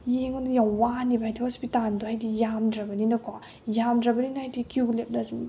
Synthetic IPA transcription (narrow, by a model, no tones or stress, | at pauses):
jeŋondjawwanibʱajtʰihospitandohajdijamdɾɐbɐninɐkwa | jamdɾɐbɐninaajdikiulep̚nɐzum